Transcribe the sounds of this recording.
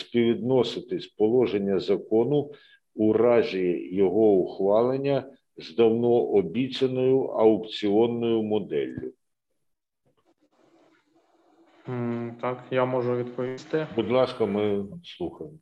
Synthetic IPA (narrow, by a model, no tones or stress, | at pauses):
sʲpʲiʋʲid̪nɔsɪt̪ɪsʲpɔlˠɔʒenʲːɐzɐkɔnʊ | ʊrɑzʲijɛjɔɦɔʊxʋɑlˠenʲːɐ | zd̪ɐwnɔʔɔbʲit͡sʲɐnɔjʊʔɐʊpt͡sʲiɔnːɔjʊmɔd̪ɛ̰lʲːʊ | t̪ɑkjamɔʒʊʋʲid̪pɔʋʲist̪ɪbʊd̪lˠɑskɐmɪslˠuxɐjɪmɔ